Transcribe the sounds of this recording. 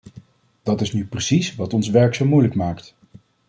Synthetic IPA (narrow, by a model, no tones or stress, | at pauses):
d̥ɑtɪsnyprəsisʋɑtɔnsʋɛɹksamːujləkmaːkt